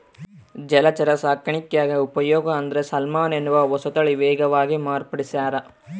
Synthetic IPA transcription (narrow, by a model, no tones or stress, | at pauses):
d͡ʒɛlɐt͡ʃɐɾɐsaːkɐɳikjaːɡiupɐjɔːɡɐːnd̪ɐɾesɐlmaːnenuʋɐʋɔsɐt̪ɐɭiʋɛːɡɐʋaːɡimaːɾpɐɽisaːɾɐ